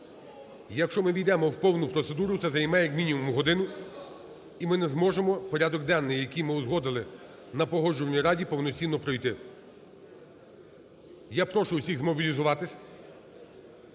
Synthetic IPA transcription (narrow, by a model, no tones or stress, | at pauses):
jɐkʃt͡ʃɔmɪʋʲid̪ɛmɔwpɔwnʊpɾɔt̪se̞d̪uɾʊt̪sɛzɐjmɛjɐkmʲinʲimɔmʊɦɔd̪ɪnʊ | imɪnɛzmɔʒemɔpɔɾʲɑd̪ɔɡ̚d̪ɑnːɪjjɐkijmɪʊzɦɔd̪ɪlˠɪ | nɐpɔɦɔʒʊʋɐnʲiɾɑdʲipɔwnɔt͡sʲinːɔpɾɔjt̪ɪ | japɾɔʃʊʊsʲiɣzmɔbʲilʲizʊʋɑt̪ɪsʲɐ